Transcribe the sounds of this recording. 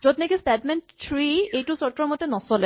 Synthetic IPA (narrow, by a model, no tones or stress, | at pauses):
zɔdnɛkistɛdmɛnttʰɹiejtusɔɹtːɹɔmɔtɛnɔsɔlɛ